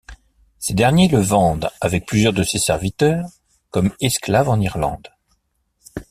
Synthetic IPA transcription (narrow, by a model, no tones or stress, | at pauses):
sed̪ɛʁnjeləvɑ̃d̪avɛk̚plyzjœʁd̪əsesɛ̰ʁvit̪œːʁ | kɔmɛsklavɑ̃niʁlɑ̰̃d̪